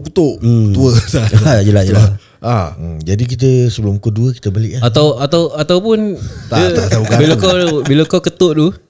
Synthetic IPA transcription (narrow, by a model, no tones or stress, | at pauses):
kut̪oʔt̪uəsajəlajəla | ʔad͡ʒadik̬it̪̬əsəbəlʊmkoduəkit̪əbalɪʔaat̪awat̪awat̪awpʊnt̪aəat̪aɡabilakabilakawkət̪oʔt̪u